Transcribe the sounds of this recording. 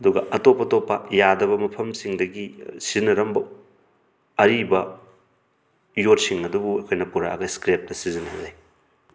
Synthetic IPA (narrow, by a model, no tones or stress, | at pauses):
ɐduɡɐʔɐtopːɐtopːɐjadɐβɐmɐpʰɐmsiŋdɐɡisizinɐɾɐmbɐ | ɐɾibɐ | jotsiŋɐdubuɐkʰojnɐpuɾaːɡɐjskɾep̚tɐsizinhɐzaj